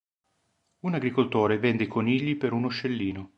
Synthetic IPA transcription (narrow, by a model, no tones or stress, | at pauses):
unaɡɾikolt̪oːɾevɛnd̪ekʰoniʎːipeɾunoʃːelːiːno